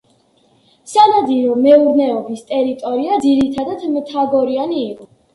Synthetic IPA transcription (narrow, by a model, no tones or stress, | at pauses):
sanad̪iɾɔmɛuɾnɛɔbist̪ʼɛɾit̪ʼɔɾiad̪ziɾit̪ʰad̪at̪mt̪ʰaɡɔɾianiːqʼɔ